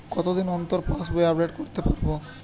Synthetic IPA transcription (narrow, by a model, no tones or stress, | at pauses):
kɔt̪od̪inɔnt̪oɾpasboeapɖeʈkoɾt̪epaɾbo